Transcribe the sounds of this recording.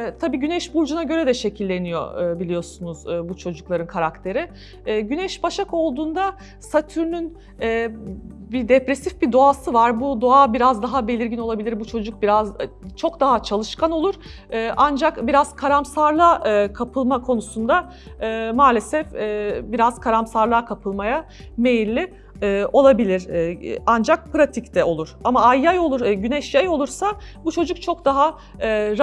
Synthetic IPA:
ɛt̪ʰabiːɟynɛʃbuɾd͡ʒunaɟø̞ɾɛd̪ɛʃe̞cʰilʲːe̞nijo̰ːbilʲijo̞sunuzːbut͡ʃʰo̞d͡ʒuklˠaɾɯnkʰaɾakt̪ʰe̞ɾɪː | ɟynɛʃbaʃako̞lˠd̪uːnd̪a | sat̪ʰyɾnyn | ɛːbid̪epɾesifbid̪o̞asɯvaɾbud̪o̞abiɾazd̪aɦabe̞lʲiɾɟino̞lˠabilʲiɾbut͡ʃʰo̞d͡ʒuk̚biɾazt͡ʃʰo̞kd̪aɦat͡ʃʰalˠɯʃkano̞lˠuɾ̥ | ɯːʔand͡ʒakbiɾaz̥kʰaɾamsaɾlˠaʔkʰapʰɯlˠmakʰo̞nusund̪a | ɯːmaːlʲe̞sɛfːbiɾazkʰaɾamsaɾlˠaːkʰapʰɯlˠmaja | mejilʲːɪː | o̞lˠabilʲiɾand͡ʒak̚pʰɾat̪ʰict̪ʰɛo̞lˠuɾ̥amaajːajo̞lˠuɾɟynɛʃjajo̞lˠuɾsabut͡ʃʰo̞d͡ʒuk̚t͡ʃʰo̞kd̪aɦa | ɾ

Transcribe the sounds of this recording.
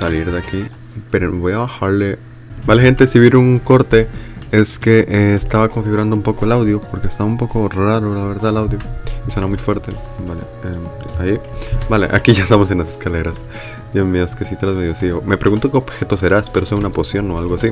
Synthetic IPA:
saliɾðeaki | peɾoβo̞jaβaxaɾle̞ | balexent̪e̞siβiɾuŋko̞ɾt̪e̞e̞ske̞ʔeːst̪aβako̞ɱfiɣuɾand̪oumpo̞ko̞elawðjopo̞ɾke̞ːst̪aβaumpo̞ko̞raɾo̞laβe̞ɾðaðlawðjoiso̞namujfwe̞ɾt̪e̞ | balḛ | eaibalḛʔa̰kiʝaest̪amo̞s̬enlase̞̥skale̞ɾas | imioskesit̪ɾazmeijosiome̞pɾe̞ɣunt̪okeobxe̞t̪o̞s̬e̞ɾaspeɾoseunapo̞sjo̞noalɣoasi

